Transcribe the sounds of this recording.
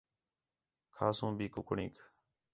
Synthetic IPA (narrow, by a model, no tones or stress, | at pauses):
kʰaːsũːbʱiːkʊkɳĩːk